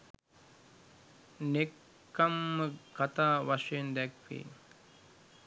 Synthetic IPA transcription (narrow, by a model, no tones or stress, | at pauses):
nekː | amːəkat̪aːʋaʂejend̪ɛkʋḭː